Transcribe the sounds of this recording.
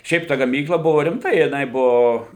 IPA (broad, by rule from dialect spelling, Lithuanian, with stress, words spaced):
ˈʃʲɛɪp tɐ ɡɐˈmʲiːklˠɐ ˈbʊʋoː rʲɪmˈtɐ jɪˈnɐɪ ˈbʊʋoː